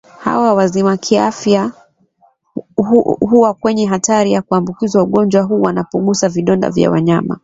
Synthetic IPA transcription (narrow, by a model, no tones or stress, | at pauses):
ha̰wawazimakʰiafja | ɦuwakwɛɲɛɦataɾijakuambukizwauɠɔnd͡ʒwaɦuːwanapɔɠusaviɗɔnda̰vja̰wa̰ɲama̰